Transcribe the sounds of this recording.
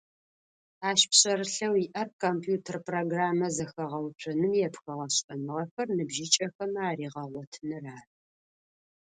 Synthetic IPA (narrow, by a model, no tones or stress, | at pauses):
aːʃpɕʼɐɾɨɬɐwiʔɐrkʰompʰjuːtʰɐrproɡraːmɐzɐxɐʁɐwt͡ʃʷʰɐnɨmjɛpxɐʁɐɕʼɐnɨʁɐxɐrnɨbʒit͡ʃʼɐxɐmaːɾiːʁɐʁʷɔtʰnɨraːr